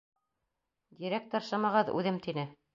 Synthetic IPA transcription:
d̪ʲiɾæk̚t̪ɑ̆ɾʃɑmɑʁɤðʉ̰ðɘmt̪inɘ

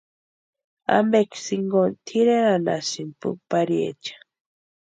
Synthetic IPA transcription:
a̰mbeksiŋɡont̪ʰiɾeɾana̰sinpṵpaɾjḛt͡ʃḁ

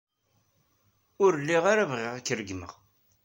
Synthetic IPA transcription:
ʊɾlːiʁaɾavʁɪʁækːɾəɡmə̰ʁ

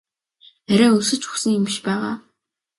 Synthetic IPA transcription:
æɾʲæːɵsɘ̆t͡ɕxu̥xsɘ̆ŋɪmʃpæːʁaː

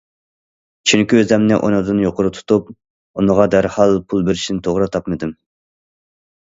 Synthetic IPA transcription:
t͡ʃʰyŋkʲiøzɛmnɪʔo̰nɨd̪ɨnjoqʊɾɨt̪ʰu̥t̪ʰup̚ | unəʁɑd̪æɾhɑlˠpʰulˠbɪɾɪʃinɪt̪ʰoʁɾɨt̪ʰɑpmɨd̪ɨm

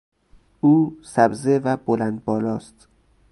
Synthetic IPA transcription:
ʔuːsæbzevæbolænd̪̚bɒːlɒːst̪

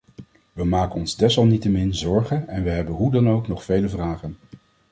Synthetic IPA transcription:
ʋəmaːkənɔnzdɛsʋɑlˠnitəmɪnzɔɹχənɛnʋəɦɛbənɦudɑnowknɔχfejləvraːχən

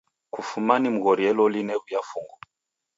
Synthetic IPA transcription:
kufumanim̩ɣɔɾiɛlɔlinɛɣujafuŋɡɔ

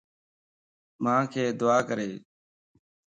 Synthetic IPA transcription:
mãːkʰeːd̪ʊaːkəɾeː

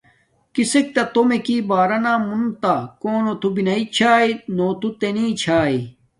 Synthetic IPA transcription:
kisek̚t̪ɐt̪omekiːbaːɾɐnaːmunt̪akoːnot̪ubinɐit͡ɕʰaːinoːt̪ut̪eniːt͡ɕʰaːi

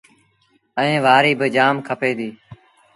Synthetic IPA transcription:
əẽːʋaːɾiːbɪd͡ʒaːmkʰəpeːd̪iː

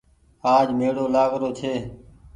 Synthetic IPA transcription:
aːd͡ʒmeːɽoːlaːɣɾoːt͡ʃ̪ʰeː

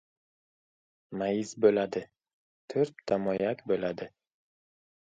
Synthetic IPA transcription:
majɪzbolad̪ɪ | t̪ʰʊɾp̚t̪ʰamɒjakʲbolad̪ɪ

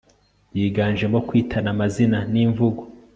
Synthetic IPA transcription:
jiːɡaːnʒemokwiːtʰanamazinaniːɱvuɡo

